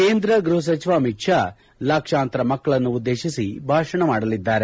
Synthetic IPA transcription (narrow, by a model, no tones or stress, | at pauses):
keːnd̪ɾɐɡɾuɦɐs̬ɐt͡ʃiʋaːmikʂa | lɐkʂaːnt̪ɾɐmɐkːɐɭɐnːuːd̪ːe̞ːʃisibʱaːʂɐɳɐmaːɽɐlid̪ːaːɾe